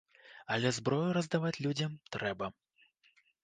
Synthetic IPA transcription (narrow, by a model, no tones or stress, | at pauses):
ɐlʲɛzbɾɔjuɾɐzd̪avat͡sʲlʲud͡zʲɐmt̪ɾɛbɐ